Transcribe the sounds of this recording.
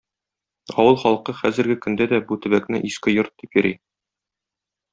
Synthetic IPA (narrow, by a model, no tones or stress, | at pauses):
ɒ̰wɤlˠχɒlˠqɤχæzɘ̆ɾɡɘkɵ̆nd̪æd̪æbut̪ɘ̆bæknɘʔiskɘjoɾt̪̚d̪ipjɵ̆ɾi